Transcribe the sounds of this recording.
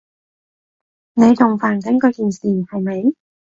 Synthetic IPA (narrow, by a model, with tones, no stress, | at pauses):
ne˨˧jt͡sʊ˨˩ŋfaː˨˩nt̪ɪ˨˥ŋkɔː˧kiː˨˩nsiː˨˩hɐ˨jme˨˧j